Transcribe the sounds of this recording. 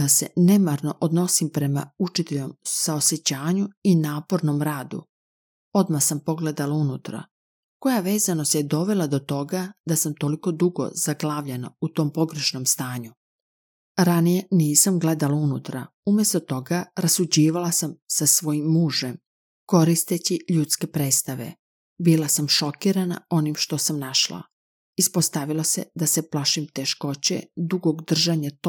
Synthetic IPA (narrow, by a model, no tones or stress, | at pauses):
ase̞̰ne̞maɾno̞ʔod̪no̞simpɾe̞ma̰ut͡ʃit̪eʎomsaose̞t͡ɕaːɲuinaːpo̞ɾno̞mɾaːd̪ṵ | o̞d̪mahsampo̞ɡled̪alaunut̪ɾa̰ | ko̞jaʋe̞ːzano̞st̪jed̪o̞ʋe̞lad̪o̞t̪o̞ɡad̪asamt̪o̞liko̞d̪uɡo̞̰zaɡlaːʋʎena̰ut̪o̞ːmpo̞ɡɾe̞ʃno̞mst̪aːɲu | ɾanije̞niːsamɡle̞d̪alaunut̪ɾaumjest̪o̞t̪o̞ɡaɾasud͡ʑiːʋalasamsasʋo̞jimːuːʒe̞m | ko̞ɾist̪et͡ɕiʎut̪ske̞pɾeːst̪aʋe̞̰ | bilasamʃo̞kiːɾana̰o̞nimʃt̪o̞samnaʃla̰ | ispo̞st̪aʋilˠose̞̰d̪ase̞plaʃimt̪e̞ʃko̞t͡ɕe̞̰d̪uɡo̞ɡd̪r̩ʒaɲat̪